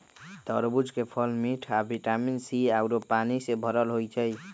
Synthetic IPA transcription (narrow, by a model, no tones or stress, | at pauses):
t̪əɾbud͡ʒkepʰəlmiʈʰabiʈaminsiawɾopanisebʱəɾəlɦojt͡ʃʰəj